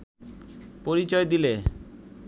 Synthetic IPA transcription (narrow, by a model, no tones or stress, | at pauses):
poɾit͡ɕɔed̪ile